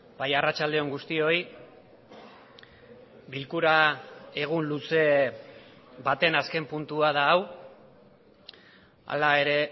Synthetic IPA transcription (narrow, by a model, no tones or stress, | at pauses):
bajarat͡ʃald̪e̞o̞ŋɡust̪io̞j | bilkuɾae̞ɣ̞unluse̞ | bat̪e̞naske̞mpunt̪uaðaːw | a̰lae̞ɾe̞